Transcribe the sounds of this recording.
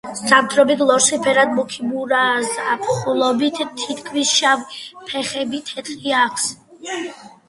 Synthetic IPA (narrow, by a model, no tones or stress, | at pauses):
stamt̪ʰɾɔbid̪ʰlˠɔɾsipʰɛɾad̪̚mukʰibuɾazapʰχulˠɔbit̪ʰt̪ʰːit̪kʰmisʃavpʰɛχɛbit̪ʰɛt̪ʼiakʰs